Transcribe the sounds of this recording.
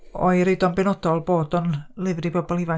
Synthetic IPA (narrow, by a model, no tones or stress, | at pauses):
ɔ̰ɨɾɪdɔnbɪnɔdɔlˠboːdɔnlɪvribɔbɔlˠɪva